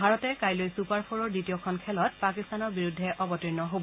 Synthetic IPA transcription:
bʱaɹɔtɛkajlojsupaɹpʰoɹɔɹditijɔkʰɔnkʰɛlɔt̚pakistanɔɹbiɹudʱːɛʔɔbɔtɹinɔɦobɔ

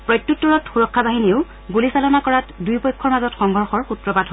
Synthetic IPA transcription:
pɹɔjtːutːɔɹɔtxuɹɔkʰːabaɦiniʊ | ɡulisalɔnakɔɹatdujpɔjkʰːɔɹmazɔtxɔŋɡʱɔɹxɔɹxutɹɔbadʱɦ

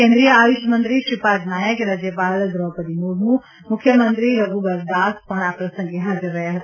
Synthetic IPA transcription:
kẽːnd̪ɾijəaːʋiʃəmə̃nt̪ɾiʃipaːd͡ʒnaːjəkɾaːd͡ʒjəpaːld̪ɾɔpət̪inuːɽnũ | mʊkʰːjəmə̃nt̪ɾiɾɐɡubɐɾd̪aːspɐɳ̃aːpɾɐsɐ̃ŋɡeɦaːd͡ʒəɾːɐɦeɦɐt̪a

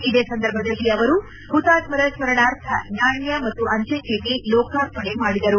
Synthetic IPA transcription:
id̪eːsɐnd̪ɐɾbʱɐd̪ɐlːiɐʋɐɾu | hut̪aːtmɐɾɐsmɐɾɐɳaːɾt̪ʰɐnaːɳjɐmɐt̪ːuʔɐɲt͡ʃekeːʈilɔːkʰaːɾt̪ʰɐɳemaːɽid̪ɐɾu

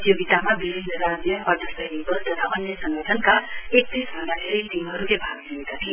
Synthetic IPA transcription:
t̪joɡit̪amabibʱinːʌɾad͡zjʌʔʌʈ̪ʰʌsʌjnibʌlt̪ʌt̪ʰaʔʌnjʌsʌŋɡʌʈʰʌnkaek̚t̪isbʱʌnɖaʈʰeɾit̪imɦʌɾukebʱaɡliɡit̪at̪ʰi

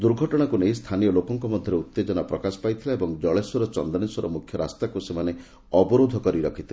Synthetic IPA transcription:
d̪uɾɡʱɔʈɔɽ̃akunejst̪ʰanijɔlokɔŋkɔmɔd̪ʱjɔɾeut̪ːed͡ʒɔnapɾɔkasɔ̥pajt̪ʰilaebɔŋd͡ʒɔɭesuɾɔt͡ʃɔnd̪ɔɽ̃isɔɾɔ̰mukʰjɔɾast̪akusemane | ɔbɔɾod̪ʱɔkɔɾiɾɔkʰit̪ʰila

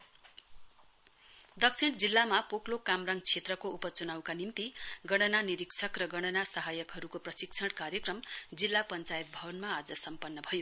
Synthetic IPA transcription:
d̪ʌksʰiɽ̃d͡zilːamapoklokamraŋt͡sʰet̪rʌkoupʌt͡sunawkanimt̪iɡʌɽ̃ʌnaniɾiksʰʌkrʌɡʌɽ̃ʌnasʌɦajʌkɦʌɾukoprʌsikt͡sʰʌɽkaɾjʌkrʌmd͡zilːapʌnt͡sajet̪̚bʱʌbʌnmaːd͡zʌsʌmpʌnːʌbʱʌjo

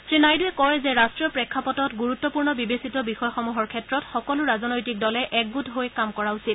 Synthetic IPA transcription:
sɹinajduɛkɔɹɛzɛɹastɹijɔpɹɛkʰːapɔtɔtɡuɹutːɔpuɹnɔbibesitɔbixɔjɔxɔmuɦɔɹkʰɛtɹɔtxɔkɔlʊɹazɔnɔjtik̚dɔlɛʔɛk̚ɡutɦojkamkɔɹausit̚

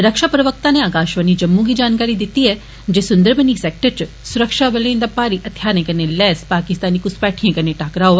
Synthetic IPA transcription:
ɾɐkʃapɾɐʋək̚t̪ãneaːkaːʃʋənid͡ʒɐmːũkid͡ʒaːnkaːɾid̪ɪt̪iɦɛ | d͡ʒeːsʊnd̪əɾbʱənisɛːk̚ʈəɾt͡ʃ | sʊɾəkʃaʋɐlẽːnd̪apːaːɾiʔɐt̪ʰːjaːnẽkɐɾnelɛːspaːkɪst̪aːnikʊspɛːʈʰijẽkɐɾneʈaːkɾaɦoːʋa

